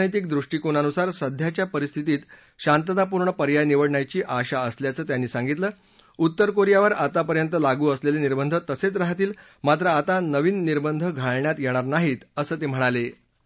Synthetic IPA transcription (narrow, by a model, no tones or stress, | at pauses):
nət̪̬iːkd̪ɾuʂʈiːkoɳ̃anusaɾsəd̪ʱjat͡ɕjapəɾist̪ʰit̪iːt̪ | ɕant̪ət̪ap̬uɾɳəpəɾjajniʋəɽɳajt͡ɕiːʔaɕaəsljat͡səːt̪janːiːsãŋɡit̪ləː | ut̪ːəɾkoɾjaʋəɾat̪apəɾjənt̪əlaɡuːəsleleniɾbənd̪ʱət̪əset͡sɾaɦat̪iːl | mat̪ɾəat̪anəʋiːnːiɾbənd̪ʱəɡʱaɭɳjat̪jɛɽ̃aɾnaɦiːt̪əsəːt̪em̤əɽ̃ale